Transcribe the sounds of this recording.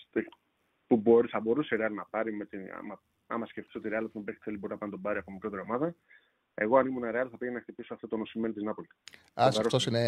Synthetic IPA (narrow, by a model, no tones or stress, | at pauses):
st̪i | pubo̞ɾiθɐbo̞ɾusiɾeɐlinɐpɐɾimet̪ḭmɐ | ɐ̰mɐsceft̪i̥siɾeɐlp̪umebeç̥θelibo̞ɾinɐpɐnit̪obɐɾiɐpomemikɾot̪eɾio̞mɐðɐ | e̞ɣo̞ɐnimunɐɾeɐliθɐpienɐxt̪ipisoɐft̪ot̪onosimenit̪iznɐpoli | apeɾosose